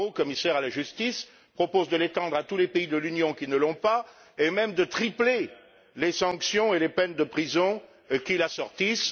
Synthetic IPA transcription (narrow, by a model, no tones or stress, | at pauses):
okɔmisɛʁalaʒyst̪is | pχɔpozd̪əlet̪ɑ̃d̪ʁat̪ulepeid̪əlynjɔ̃kʲinəlɔ̃pa | emɛmd̪ət̪χiple | lesɑ̃ksjɔ̃elepɛnd̪əpχizɔ̃ | kʲilasɔʁt̪is